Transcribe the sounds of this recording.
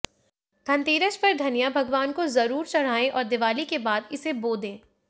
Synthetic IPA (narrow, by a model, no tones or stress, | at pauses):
t̪ʰɐ̃nt̪iːɾəʃpɐɾd̪ʱɐnijabʱɐɡʋaːnkozɐɾuːɾt͡ʃɐɽ̤aːẽʔɔːɾd̪ɪʋaːlikebaːd̪ɪseboːd̪ẽː